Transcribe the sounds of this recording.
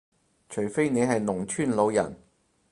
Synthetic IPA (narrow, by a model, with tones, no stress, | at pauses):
t͡ʃʰɵ˨˩ɥfe˥jne˨˧jɦɐ˨jnʊ˨˩ŋt͡ʃʰyː˥˩nlo˨˧wjɐ̰˨˩n